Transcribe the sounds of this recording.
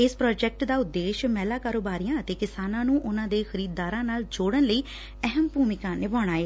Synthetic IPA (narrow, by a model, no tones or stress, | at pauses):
ɪspɾɔːd͡ʒɛk̚ʈd̪aːʊd̪ːeːʃmɛːlaːkaːɾoːbaːɾiːjãːət̪eːkɪsaːnãːnũːʔʊnãːd̪eːxəɾiːd̪ːaːɾãːnaːld͡ʒoːɽənləiː | ɛɦəmbuːmɪkãːnɪbaːɽ̃aːeː